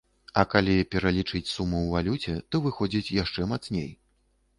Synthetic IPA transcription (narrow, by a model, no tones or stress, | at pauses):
ɐkalʲipʲɛɾalʲit͡ʂɨt͡sʲsumuwvalʲut͡sʲɛt̪ɔvɨxɔd͡zʲit͡sʲjaʂt͡ʂɛmat̪snʲḛj